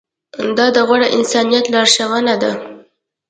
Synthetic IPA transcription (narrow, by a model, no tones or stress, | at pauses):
d̪ɑd̪əɣwaɽəʔɪnsɑnijat̪lɑɾʃawanad̪a